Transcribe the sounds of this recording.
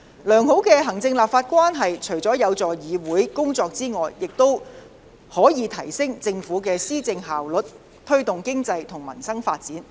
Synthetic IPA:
lœː˨˩ŋɦo˨˥wkɛː˧ɦɐ˨˩ŋt͡sɪ˧ŋlaː˨pfaː˧t̚kʷwaː˥nɦɐ˨jt͡ʃʰɵ˨˩ɥt͡sɔː˨˥jɐ˨˧wt͡sɔː˨˩jiː˨˧wuː˨˥jkʊ˥ŋt͡sɔː˧k̚t͡siː˥ŋɔː˨jːɪ˨k̚t̪o˥w | hɔː˨˥jiː˨˧t̪ʰɐ˨˩jsɪ˥ŋt͡sɪ˧ŋfuː˨˥kɛː˧siː˥t͡sɪ˧ŋɦaː˨wlɵ˨˥t̚ | t̪ʰɵ˥ɥt̪ʊ˨ŋkɪ˥ŋt͡sɐ˧jt̪ʰʊ˨˩ŋmɐ̰˨˩nsɐ˥ŋfaː˧t̚t͡siː˨˥n

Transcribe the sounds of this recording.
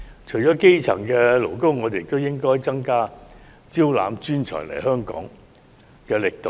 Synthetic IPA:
t͡ʃʰɵ˨˩jt͡ʃɔː˨˥ke˥jt͡sʰɐ̰˨˩ŋkɛː˧lo˨˩wko˥wŋɔː˨˧t̪e˨jɪ˨k̚t̪o˥wjɪ˥ŋkɔː˥jt͡sɐ˥ŋkaː˥ | t͡siː˥wla̰ː˨˧mt͡ʃyː˥nt͡ʃʰɔ̰ː˨˩jlɐ̰˨˩jɦœː˥ŋkɔ̰ː˨˥ŋ | kɛː˧lɪ˨k̚t̪o˨˧w

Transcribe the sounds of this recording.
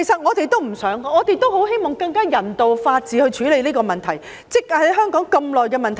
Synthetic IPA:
e˨˩sɐ˨t̚ŋɔː˨˧t̪e˨jt̪o˥wm̩˨˩sœː˨˥ŋkɔː˧ŋɔː˨˧t̪e˨jt̪o˥who˨˥wɦe˥jmɔː˨˩ŋkɐ˧ŋkaː˥jɐ˨˩nt̪o˨wfaː˧t̚t͡siː˨˧hɵ˧ɥt͡ʃʰyː˨˥le˨˧jliː˥kɔː˧mɐ˨nt̪ʰɐ˨˩j | t͡sɪ˥k̚ɐ˨˥jɦœː˥ŋkɔː˨˥ŋkɐ˧mlɔː˨jkɛː˧mɐ˨nt̪ʰ

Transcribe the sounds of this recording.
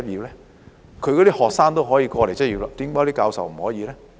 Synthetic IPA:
ɐ˥jiː˨˧wlɛː˥ | kʰɵ˨˧ɥkɔ˨˧ɾiː˦˥hɔː˨k̚saː˥ŋt̪̬o˥wɦɔː˨˥jiː˧kɔː˧le˨˩jt͡sɐ˥jiː˨˧wla˧t̪iː˨˥mkɔː˨˥i˥kaː˧wsɐ˨wm̩˨˩hɔː˨˥jiː˨˧lɛː˥

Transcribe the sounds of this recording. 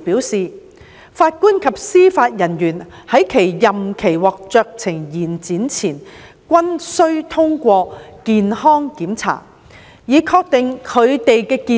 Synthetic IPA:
pi˨˥wsiː˨ | faː˧t̚kuː˥nkʰɐ˨p̚siː˥faː˧t̚jɐ˨˩njyː˨˩nhɐ˨˥jkʰe˨˩jjɐ˨mkʰe˨˩jwɔː˨k̚t͡sœː˨˧k̚t͡sʰɪ˨˩ŋjiː˨˩nt͡siː˨˥nt͡sʰiː˨˩n | kʷɐ˥nsɵ˥ɥt̪ʰʊ˥ŋkʷɔː˧kiː˨˧nhɔː˥ŋkiː˨˥mt͡sʰa̰ː˨˩t̚ | jiː˨˧kʰɔː˧k̚t̪e˨ŋkʰɵ˨˧ɥt̪e˨jkɛː˧kiː˨

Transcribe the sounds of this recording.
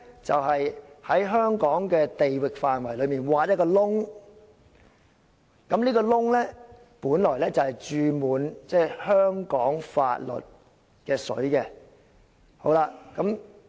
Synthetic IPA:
t͡sɐ̰˨whɐ˨jhɐ˨˥jɦœː˥ŋkɔː˨˥ŋkɛː˧t̪e˨jwɪ˨k̚faː˨˧nwɐ˨˩jlɵ˨˧ɥmiː˨˩nwaː˨˧jɐ˥kːɔː˧lʊ˥ŋ | kɐ˨˥mniː˥kɔː˧lʊ˥ŋlɛ˥ | puː˨˥nlɔː˨˩jlɛː˥t͡sɐ˨˩whɐ˨jt͡ʃyː˨˧muː˨˧nt͡sɛː˥˩hœː˥ŋkɔː˨˥ŋfa̰ː˧t̚lɵ̰˨t̚ | kɛː˧sɵ̰˨˥ɥkɛ˧ | ho˨˥wlaː˧kɐ˨˥m

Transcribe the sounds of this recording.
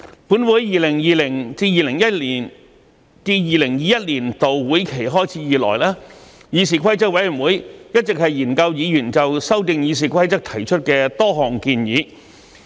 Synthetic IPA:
pu˨˥nwuː˨˥jjiː˨˩lɪ˨˩ŋjiː˨lɪ˨˩ŋt͡siː˧jiː˨˩lɪ˨˩ŋjɐ˥t̚liː˨˩n | t͡siː˧jiː˨˩lɪ˨˩ŋjiː˨˧jɐ˥t̚liː˨˩nt̪o˨wwuː˨˥jkʰe˨˩jɦɔː˥jt͡sʰiː˨˥jiː˨˩lɔ̰ː˨˩jlɛː˥ | jiː˨˧s̬iː˨˧kʷʰɐ˥jt͡sɐ˥k̚wɐ˧˥jy˨˩nwuː˨˥jjɐ˥t̚t͡sɪ˨k̚hɐ˨jiː˨˩nkɐ˧wjiː˨˧jyː˨˩nt͡sɐ˨wsɐ˥wt̪ɪ˧ŋjiː˨˧s̬iː˨˩kʰɐ˥jt͡sɐ˥k̚t̪ʰɐ˨˩jt͡ʃʰɵ˥t̚kɛː˧t̪ɔː˥ɦɔː˨ŋkiː˧njiː˨˧˥

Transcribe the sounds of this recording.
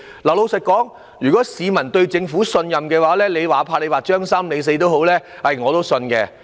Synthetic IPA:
lɐ˨˩wlo˨˧wsɪ˨t̚kːɔː˨˥ŋ | jyː˨˩kɔː˨˥siː˨˧mɐ˨˩nt̪ɵ˧ɥt͡sɪ˧ŋfuː˨˥sɵ˧njɐ˨mkɛː˧waː˨˥lɛː˥le˨˧jwaː˨˩pʰaː˧le˨˧waː˨˩t͡ʃœː˥ŋsɐ˥mle˨˧˥js̬e˧jt̪o˥who˨˥wlɛː˥hɐ˨jŋɔː˨˧t̪o˥wsɵ˧nkɛ̰˧

